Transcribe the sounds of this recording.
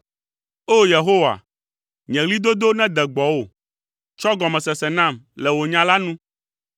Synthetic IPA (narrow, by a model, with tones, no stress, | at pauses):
o˦je˨ɦo˦wa̰˨ | ɲɛ̃˨ɣli˦d̪o˦d̪o˦nɛ̃˦d̪ɛ˨ɡ͡bɔ˨wo˦˨ | t͡ʃɔ˦ɡɔ˨mɛ̃˨sɛ˨sɛ˨nã˦˨mlɛ˨wo˨ɲã˦la˦nũ˦